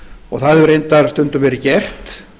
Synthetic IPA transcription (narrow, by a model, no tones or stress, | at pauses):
ɔɣθaðʏɾejnt̪aɾst̪ʏnt̪ʏmvɛːɾɪcɛr̥t̪